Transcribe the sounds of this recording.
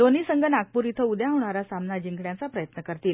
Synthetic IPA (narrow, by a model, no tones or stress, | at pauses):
d̪oniːsəŋɡʱənak̚puɾit̪ʰəud̪jãɦoɳ̃aɾasamnad͡ʑiŋɡɳjat͡sapɾəjət̪nəkəɾt̪iːl